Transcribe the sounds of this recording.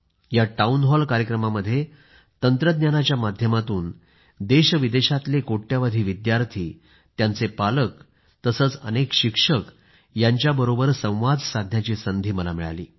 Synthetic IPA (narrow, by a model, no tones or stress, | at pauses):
jaʈaunɦɔlkaɾjəkɾəmaməd̪ʱːje | t̪ənt̪ɾəd̪njanat͡ɕjamad̪ʱjəmat̪uːn | d̪eɕʋid̪eɕat̪lekoʈːjaʋad̪ʱiːʋid̪jaɾt̪ʰiː | t̪jant͡sepalək | t̪əsəːt͡sə̰nekɕikʂək | jaɲt͡ɕjabəɾobəɾsə̃w̃ʋad͡zsad̪ʱjat͡ɕiːsənd̪ʱiːməla̰miɭa̰lḭː